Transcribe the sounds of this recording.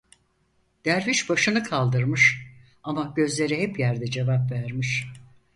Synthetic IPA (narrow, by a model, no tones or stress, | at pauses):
d̪̥æɾviʃbaʃɯnɯkʰalˠd̪ɯɾmɯʃ | amaɟø̞zlʲe̞ɾihɛpjæɾd̪ɛd͡ʒe̞vapvæɾmiʃ